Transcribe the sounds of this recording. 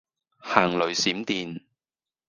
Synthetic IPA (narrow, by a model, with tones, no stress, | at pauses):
haː˨˩ŋlɵ˨ɥsiː˨˥mt̪iː˨n